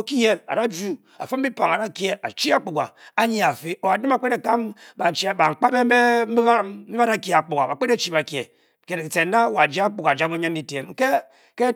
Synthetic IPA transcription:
o˨ki˦je˦la̰˨da˦d͡ʒu˦ | a̰˨fo˦m̩˦i˦pa˨ŋa˨da˦ke˦a̰˨t͡ʃi˦a˦k͡pu˨ɡa̰˨a˦ɲi˦a˨fi˦o˨a˨di˦ma˨k͡pe˦ɾe˨ka˦mba˨t͡ʃi˨a˨ba˨ŋ͡m̩˨k͡pa˦be˦me˦m̩˦bi˦a˦a˦da˦˨kʲe˨a˨k͡pu˨ɡa˨ba˨k͡pe˦e˦t͡ʃi˦˨ba˨kje˨ | ke˨se˨n˦da˦wa˨d͡ʒa˦k͡pu˨ɡa˨d͡ʒa˦mo˦ɲa˦n˦di˦te˨m˦ke˦ | ke˦

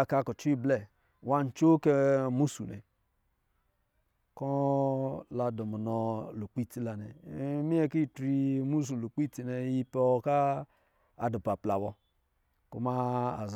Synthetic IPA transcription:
ka˦ku˨t͡ʃi˦ble˨ | wa˦n̩˨t͡ʃo˦ke˦mu˦su˨nḛ˨ | kɔ˦ | la˨du˨mu˨nɔ˨lu˨k͡pi˦ti˦la˨nḛ˨˦mi˦e˦ki˦˨tɾi˦mu˦s̬u˨lu˨k͡pi˦ti˨ne˨ji˦pɔ˦˨kaː˦˨ | du˨pa˨pla˨bɔ˨ | kṵ˦ma˦a̰˨z

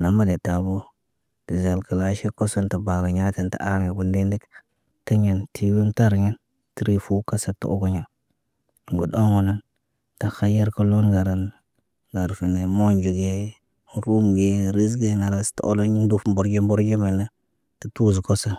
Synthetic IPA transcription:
na˨ma˦ne˨ta˨bo˦ | ti˨za˨lkə˨la˦ʃe˦ko˦so˦nta˨ba˨la˨ɲa˦ti˨nta̰˨a˦ɾŋe˨ɡu˨ndi˦ndi˦k | ti˦ɲe˨ntʰi˨wi˦nta˦ɾɲi˦n | ti˦ɾi˦fu˦ka˦sa˦tṵ˨o̰˦ɡo˦ɲa˨ | ɡu˨do˦ŋo˨na˦n | ta˨xa˦je˦ɾka˦lo˦nɡa˨ɾa˨n | ɡa˨ɾfi˨ne˨mo˦nd͡ʒi˨ɡe˦ | ɾu˦mɡe˦ɾi˦z̬ɡe˦na˨ɾa˦sto̰˦lo˦ɲ˦du˦fmbo˨ɾd͡ʒi˦mbo˦ɾd͡ʒi˦me˨na˦ | ti˨tu˦zko˦sa˦n

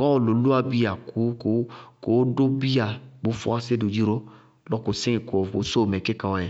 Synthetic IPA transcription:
kɔ̃˦ɔ˨lo˨lu˦a˧bi˦a˨ku˨˦kko˨˦do˦bi˦a˨bo˨˦fu˦a˦se˦du˨d͡ʒi˦ɾo˦ | lɔ˦ko˨sẽ˦i˨ko˨o˨˦so˦˨mɛ̃˨ke˦kã˨wɔ˨ɛ˨

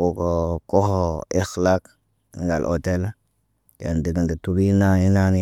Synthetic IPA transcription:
u˨ko˨ko˦ho˨e˦xla˦k | ŋɡa̰˨lʔo̰˨te˦l | ka̰˨ndi˨ɡi˨ndi˨tu˦ɾi˦na˦ni˦na˦ni˦

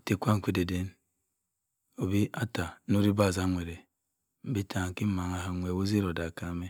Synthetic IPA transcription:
ti˨kʷa˦ŋ˨kʷi˦de˨de˦n | o˨bi˦a˦ta˨nu˦ɾi˦ba˦˨za˦ŋʷe˨ɾe˨ | m̩˨bi˦tʰa˨ŋ˨ki˦ma˨ŋa˨ɦa˨ŋʷe˨wo˦zi˦ɾo˨da˨ka˦me˦

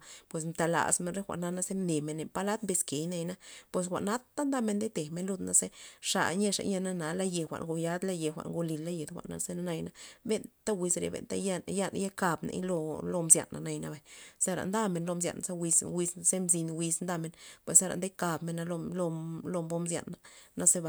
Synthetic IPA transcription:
pwe˨s̬mt̪a˧la̰˨sme˧nɾe˦xʷa̰˨ʔna˦na˧ze˦ne˨me˧nːe˧˨pa˦la˦t̪mbe˧ske˨jna˧jna˦pwe˧s̬xʷa̰˨ʔna˦t̪ːa˦nd̪a˦me˧nd̪e˦t̪e˨me˧nlu˧d̪na˦ze˦ʂa̰˧˨ɲe˧ʂa̰˧ɲa˦˧na˦na˨˦la˦˧je˧xʷa̰˨ʔŋɡo˧ja˦d̪la˦˧je˨xʷa̰˨ʔŋɡo˧li˨lːa˦je˨d̪xʷa̰˨ʔna̰˧ze˧na˦na˧jna˦be˧nt̪a˦wi˧sɾḛ˧bḛ˧nt̪a̰˧ja˦ja˦nja˦ka˧bnḛ˧˦jlo˧lo˧mzja̰˧nːa̰˨na˧jna˧ba˨se˦ɾa̰˨nd̪a˦me˨nlo˧mz̬ja̰˨nze˦wi˧swi˧sze˦mzi˧nwi˧snd̪a˧me˧npwe˨sa˦ɾa̰˨d̪e˦ka˧bme˧nːa˧lo˧lo˧lo˧mbo˦mzja̰˨nːa˨na˦ze˦ba˨

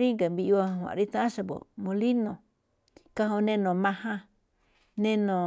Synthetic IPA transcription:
ɾi˦ŋɡa˨mbi˧i˧o˧˨wã̰˨ɾi˦t̪ã˦ã˦ʃa˧βo̰˨mõ˧li˦nõ˨ | ka˧ɦõ˧nẽ˦˧nõ˨mã˧hã˧ | nẽ˧nõ˨

